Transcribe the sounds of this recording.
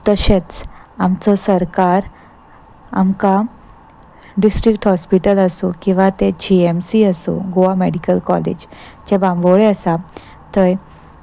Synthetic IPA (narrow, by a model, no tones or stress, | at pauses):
t̪əɕẽt͡samt͡sɔsəɾkaɾ | a̰mka | ɖisʈɾikʈhɔspiʈələsokĩw̃ʋat̪ed͡ʑiemsiəso̰ɡoameɽikəlkɔlḛd͡ʑd͡ʑebambəɭeəsa | t̪əj